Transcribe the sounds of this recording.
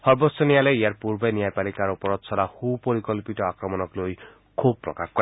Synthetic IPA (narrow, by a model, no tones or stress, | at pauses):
hɔɹbɔsɔnijaleijaɹpuɹbenijajpalikaɹupɔɹɔt̪saɾahupoɾikɔlpitɔakɹɔmɔnɔkloj | kʰub̚pːɹɔ̰kaxkɔ